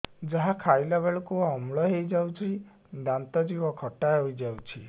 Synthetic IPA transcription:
d͡ʒaɦakʰajlaβeɭukuɔmɭɔɦejd͡ʒawt͡ʃʰi | d̪ant̪ɔd͡ʒibɔkʰɔʈaeɦojd͡ʒawt͡ʃʰi

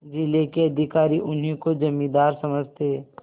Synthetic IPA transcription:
d͡ʒilekeɐd̪ʱɪkaːɾiʔʊnɦĩkod͡ʒɐmːĩd̪aːɾsɐməd͡ʒʱt̪eː

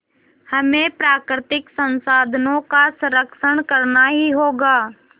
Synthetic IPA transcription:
hɐmẽpɾaːkɾɪt̪ɪksə̃nsaːd̪ʱnõkasə̃ɾəkʃəɽ̃kɐɾnaɦiɦoːɡaː

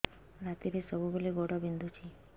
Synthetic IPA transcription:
ɾat̪iɾesəbʱubeleɡɔɽɔbind̪ʱut͡ʃʰi

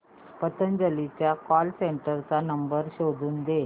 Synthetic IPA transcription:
pət̪ənd͡ʑəlit͡ɕjakɔlseɳʈəɾt͡sanəmbəɾɕod̪uːnd̪e

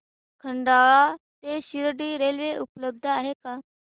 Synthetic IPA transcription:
kʰəɳɖaʋat̪eɕiɾɽiːɾelʋeʔupləb̚d̪ʱəaɦeka

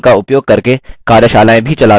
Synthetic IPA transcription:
kaʊpjoːɡ̚kɐɾkekaːɾjəʃaːlaːẽbʱit͡ʃɐlaː

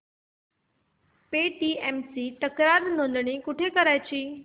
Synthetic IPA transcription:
peːʈiːɛːmsiʈ̪əkɾaːɾnõnd̪ɽ̃ikʊʈʰekəɾaːɪt͡ɕʰiː

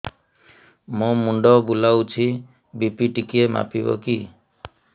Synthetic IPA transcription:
mõmuɳɖɔbulawt͡ʃʰi | bipiʈikiema̰pibɔ̰ki

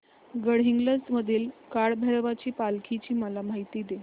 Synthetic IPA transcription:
ɡəɽɦiŋɡləsməd̪ʱiːlkaɭbʱɛɾʋat͡ɕiːpalkʰit͡ɕiːməlamaɦit̪iːd̪e

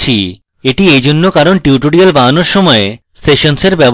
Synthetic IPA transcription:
t͡ɕʰḭ | eʈiejd͡ʑonːokaɾonʈiuʈoɽialbanoɾʃɔmɔe | seʃonseɾbɛb

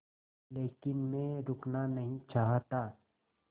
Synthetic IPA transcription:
leːkɪnmẽɾʊknanɐɦĩt͡ʃaːɦt̪a

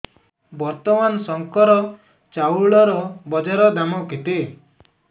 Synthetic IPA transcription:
bɔɾt̪ɔmansɔŋkɔɾɔ | t͡ʃauɭɔɾɔbɔd͡ʒaɾɔd̪amɔket̪e

